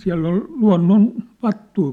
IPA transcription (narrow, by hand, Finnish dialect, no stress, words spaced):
siæ̝lː ol luɑ̝nːon ʋɑtːui